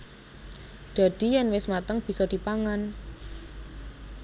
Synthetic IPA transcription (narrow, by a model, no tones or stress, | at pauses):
d̪̥a̤d̪̥i̤jɛnwɪsmat̪əŋb̥i̤sɔd̪̥i̤paŋan